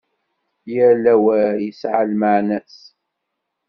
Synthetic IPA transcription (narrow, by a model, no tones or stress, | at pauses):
jəɾlæwəjəsʕalməʕnæs